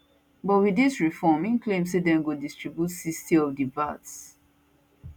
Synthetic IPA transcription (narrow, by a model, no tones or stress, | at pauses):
bɔtwidisɹifɔmĩnklẽms̬edɛ̃nɡodistɹibjutsistiɔvdivats